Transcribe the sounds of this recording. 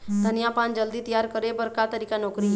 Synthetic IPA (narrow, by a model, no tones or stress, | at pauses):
d̪ʱənijapãːnd͡ʒəld̪it̪əjaːɾkəɾebəɾkat̪əɾiːkanoːkɾi